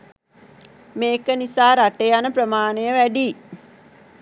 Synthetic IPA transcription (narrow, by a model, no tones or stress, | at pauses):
meːkənisaːɾaʈejanəprəmaːnejəʋæɖiː